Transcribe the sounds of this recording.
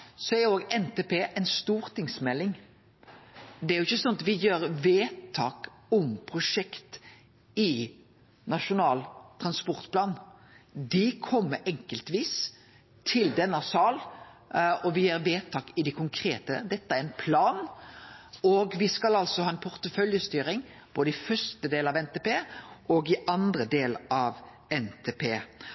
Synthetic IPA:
sɔæɾjʊoːɡɛnt̪eːpeːʔɛnst̪uːɾt̪ʰɪŋsmɛlːɪŋ | d̪ɛæɾʊɪçːəsɔnːɑt̪ʋɪjøːɾʋeːt̪ʰːɑːk | ɔmpʰɾʊʂɛkt̪ | ɪ | nɑʃʊnɑːlt̪ʰɾɑnspɔɾt̪pʰlɑːn | d̪ɪkʰɔmːəɾɛŋkəlt̪ʋiːs | t̪ʰɪld̪ɛnːəsɑːl | ɔʋɪjæːɾʋeːt̪ʰɑːkɪd̪ɪkʰʊŋkʰɾeːt̪ə̰d̪ɛt̪ːəæɾɛnpʰlɑːn | ɔɡʋɪskɑlɑlsɔhɑːɛnpʰʊɾt̪əfœljəst̪yːɾɪŋ | b̥oːd̪əɪfœstəd̪eːlɑʋɛnt̪eːpeːɔɡɪʔɑnd̪ɾəd̪eːlɑʋ | ɛnt̪ʰeːpʰeː

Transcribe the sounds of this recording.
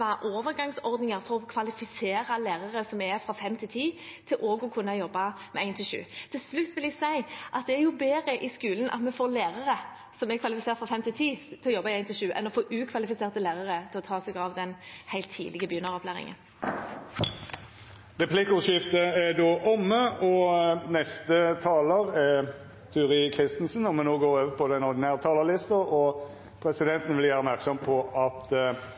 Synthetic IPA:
ɑʔoːʋəʁɡɑŋsɔʁd̪nɪŋəʁfɔʁɔkʰʋɑlɪfɪseːɾɑleːʁɑʁəsɔmæʁfɾʁɑfɛmːt̪ʰɪt̪ʰiːt̪ʰɪlʔoːɡɔkʰʉnːɑjɔbːɑ | mɛæɪnt̪ʰɪlʃʉ̰ːt̪ʰɪlslʉt̪ːʋɪlɛɡsæɪʔɑt̪̚d̪ɛæɾjʊbeːɾəʔɪskʉːlən̩ʔɑ̰t̪mɛfoːleːʁəʁə | sɔmɛkʰʋɑlɪfɪseːʁt̪fʁɑːfɛmt̪ʰɪlt̪ʰiːt̪ʰɪlɔjɔbːɑɪæɪnt̪ɪʃʉːʔɛ̰nɔfoːʔʉːkʰʋɑlɪfɪseːʁt̪əlæːʁəʁət̪ʰɪlɔt̪ʰɑːsɛɡɑʋd̪ɛnhæɪt̪ʰːḭːd̪ɪɡəbyːnɑʁɔplæːʁɪ̰ŋə̰n | ʁɛpʰlɪkːəʊʃɪft̪əɛd̪oːʔɔmːəɔnɛst̪ət̪ʰɑːləʁɛ | t̪ʰʉːʁɪkʰʁɪst̪n̩sən̩ɔmɛnoːɡoːɾoːʋəpʰɔd̪ɛnɔʁd̪ɪnæːʁət̪ʰɑːləʁlɪst̪əɔ | pʰɾɛsɪd̪ɛnt̪ən̩ʋɪljæːʁəɔpmæʁksɔmpʰɔɑt̪

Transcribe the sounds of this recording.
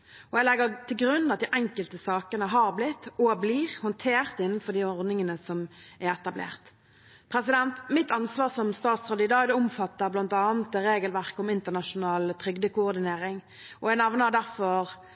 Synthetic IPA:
ɔɛlɛɡət̪ʰɪlɡɾʉnːɑt̪d̪iːʔɛŋkəlt̪əsɑːkənəɦɑːʁblɪt̪ːɔbliːʁhɔnt̪ʰeːʁt̪ɪnən̩fɔɾd̪iːɔʁd̪nɪŋənəsɔmæʁɛt̪ɑblḛːʁt̪ | pʰɾɛsɪd̪ɛnt̪mɪt̪ɑnsʋɑːʁsɔmst̪ɑːt̪sʁɑd̪iːd̪ɑːd̪ɛʊmfɑt̪ːəblɑnt̪ɑːnət̪ːɛɾeːɡəlʋæʁkəɔmɪnt̪əʁnɑʂʊnɑːlt̪ʰɾʏɡd̪əkʊɔʁd̪ɪneːɾɪŋ | ʔɔɛnɛʋnəʁd̪æʁfɔɾ

